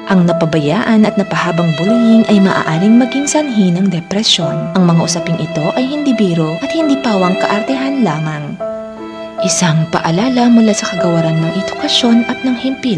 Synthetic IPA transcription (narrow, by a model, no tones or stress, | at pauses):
ʔɐŋnɐpɐbɐjaːʔɐnɐt̪nɐpɐhaːbɐŋbʊluhɪnʔɐjmɐ̰ʔa̰ːʔaːɾɪŋmɐɡiŋsɐnɦinɐŋd̪ɛpɾɛsjo̞nʔɐŋmɐŋaʔʊsɐpɪŋʔɪt̪o̞ʔɐjhɪnd̪ibiːɾoʔɐt̪hɪnd̪iːpaːwɐŋkɐ̰ʔɐɾt̪ɛɦanlaːmɐŋ | ʔɪsaŋpɐ̰ʔɐlaːlɐmʊlaːsɐkɐɡɐwɐɾanmɐŋʔɛd̪ʊkɐʃo̞nʔɐt̪̚nɐŋhɛmpi